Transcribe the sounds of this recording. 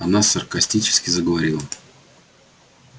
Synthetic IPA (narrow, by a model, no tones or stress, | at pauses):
ɐnasɐrkɐsʲtʲit͡ɕɪ̥skʲɪzəɡəvɐɾʲilˠə